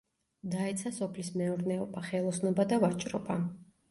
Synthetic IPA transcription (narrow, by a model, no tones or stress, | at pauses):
d̪aɛt̪sʰasɔpʰlismɛuɾnɛɔbaχɛlˠɔsnɔbad̪avat͡ʃʼɾɔba